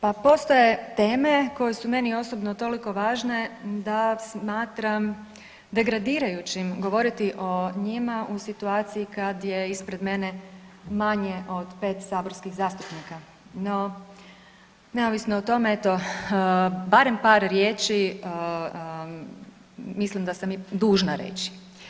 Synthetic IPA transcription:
papo̞st̪o̞je̞t̪e̞ːme̞ko̞jesume̞nio̞so̞bnot̪o̞liko̞ʋaːʒne̞d̪asmaːt̪ɾam | d̪e̞ɡɾad̪iːɾajut͡ɕimɡo̞ʋo̞ɾit̪iʔo̞ɲimaʔusit̪uaːt̪sijikad̪je̞ispɾe̞d̪me̞nemaɲe̞ʔo̞d̪pe̞ːt̪saːbo̞ɾskiɣzaːst̪upnika | no | ne̞oʋisnoot̪o̞me̞et̪o̞ | baɾe̞mpaːɾɾjeːt͡ʃi | mislimd̪asamid̪uːʒnaɾḛt͡ɕi̥

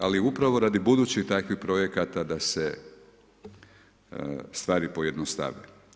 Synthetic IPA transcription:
aliupɾaʋo̞ɾad̪ibud̪uːt͡ɕit̪akʋixpɾo̞jekat̪ad̪ase | st̪ʋaːɾipo̞je̞d̪nost̪a̰ʋe

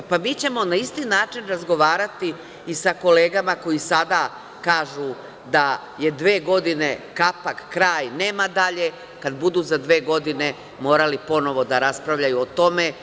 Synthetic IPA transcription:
pamiːt͡ɕe̞mo̞naist̪inaːt͡ʃinɾazɡo̞ʋaːɾat̪iː | sako̞le̞ːɡamako̞jisad̪a | kaːʒu | d̪a | je̞d̪ʋe̞ːɡo̞d̪ine̞kapakkɾaːjne̞ːmad̪aʎe̞ | kad̪bud̪uːzad̪ʋeːɡo̞d̪ine̞ | mo̞ːɾalipo̞no̞ʋo̞d̪aɾaspɾaʋʎajuot̪o̞me̞

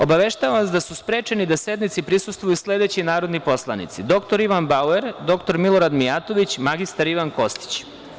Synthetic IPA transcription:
o̞baʋe̞ʃt̪aʋaʋasd̪asuspɾeːt͡ʃenid̪ase̞d̪nit̪sipɾisust̪ʋojusle̞d̪e̞t͡ɕinaːɾod̪nipo̞slˠanḭt̪sid̪o̞kt̪o̞ɾiʋanbaueɾd̪o̞kt̪o̞ɾmilˠo̞ɾad̪mijat̪o̞ʋit͡ɕmaɡist̪aɾiʋanko̞st̪i̥t͡ɕ

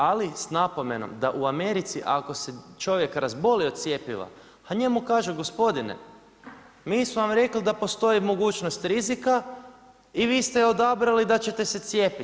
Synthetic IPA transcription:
alisnapo̞me̞no̰md̪aʔuame̞ɾit̪siʔako̞set͡ʃo̞ʋje̞kɾazbo̞liot̪sje̞piʋa̰ | paɲe̞mukaːʒuɡo̞spo̞d̪inḛ | miːsmuʋamɾe̞klid̪apo̞st̪o̞jimo̞ɡuːt͡ʃno̞st̪ɾizika | iʋiːst̪eo̞d̪abɾalid̪at͡ɕe̞t̪e̞set̪sje̞pi

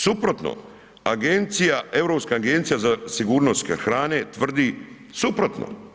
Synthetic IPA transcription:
supɾot̪no̰ | aɡent̪sijaevɾopskaːɡe̞nt̪sijazasiɡuːɾnost̪kxɾaːne̞t̪ʋr̩d̪i | supɾot̪no̰

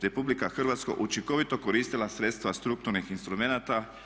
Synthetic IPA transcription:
ɾe̞publikaxrʋat̪sko̰ʔut͡ʃiŋko̞ʋit̪o̞koɾiːst̪ilˠasɾet̪st̪ʋast̪ɾuk̚t̪uɾnixinst̪ɾumenat̪a

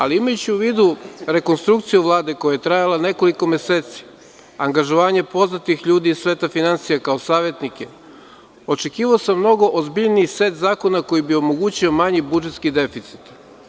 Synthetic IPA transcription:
aliimajut͡ɕiuʋiːd̪uɾe̞ko̞nst̪ɾukt̪sijuʋlˠaːd̪ekojajet̪ɾajalane̞ko̞liko̞mjeseːt̪si̥ | aŋɡaʒo̞ʋaːɲe̞po̞znat̪ixʎuːd̪iːsʋe̞ːt̪afinantsijakao̞saːʋje̞t̪nike̞ | o̞t͡ʃe̞kiːʋaosamːno̞ɡo̞ʔozbiʎniise̞t̪zaːko̞nako̞jibio̞mo̞ɡuːt͡ɕio̞maɲibud͡ʒe̞t̪skid̪e̞fit̪si̥t̪

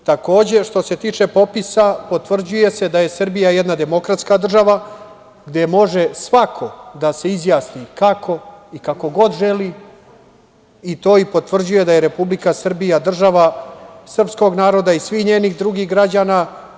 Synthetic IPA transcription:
t̪ako̞ːd͡ʑe̞ʂt̪o̞se̞t̪iːt͡ʂe̞po̞pisapo̞t̪ʋr̩d͡ʑuje̞se̞d̪aje̞sr̩bijajɛd̪nad̪e̞mo̞kɾat̪skad̪r̩ʒaʋa | ɡd̪e̞mo̞ʐe̞sʋakʰo̞d̪ase̞izjaːsnikakʰo̞ikako̞ɡo̞d̪ʒeli | it̪o̞ːipo̞t̪ʋr̩d͡ʑuje̞d̪aje̞ɾe̞publikasr̩bijad̪r̩ʒaʋasr̩psko̞ɡnaːɾo̞d̪aisʋixɲe̞ːniɣd̪ɾuɡiɣɡɾad͡ʑaːna

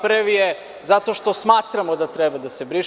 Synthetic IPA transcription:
pɾʋije | zat̪o̞ʃt̪o̞smaːt̪ɾamod̪at̪ɾebad̪ase̞bɾiʃ

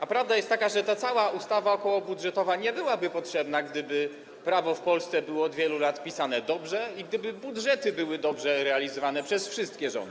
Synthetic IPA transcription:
apɾavd̪ajɛst̪t̪ːakaʐɛt̪at̪sawaʔust̪avaɔkɔwɔbudʐɛt̪ɔvaɲɛbɘwabɘpɔtʂɛbnaɡd̪ɘbɘ | pɾavɔfpɔlst̪sɛbɘwɔːd̪vʲjɛlulat̪pʲisanɛd̪ɔbʐɛiɡd̪ɘbɘbudʐɛt̪ɘbɘwɘd̪ɔbʐɛɾɛalʲizɔvanɛpʂɛsfʂɘst̪̚kʲɛʐɔ̰nd̪ɘ

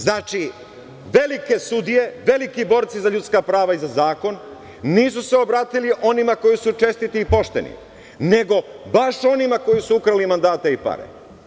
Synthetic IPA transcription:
znat͡ʃi | ʋe̞like̞sud̪ije̞ʋe̞likibo̞ːɾt̪sizaʎut̪skapɾaːʋaizazaːko̞nː | iːs̬use̞o̞bɾaːt̪iliʔo̞nimako̞jisut͡ʃe̞st̪it̪iːpo̞ʃt̪e̞̰nḭ | ne̞ɡo̞baʃo̞nimako̞jisuukɾalimand̪aːt̪eipa̰ɾḛ

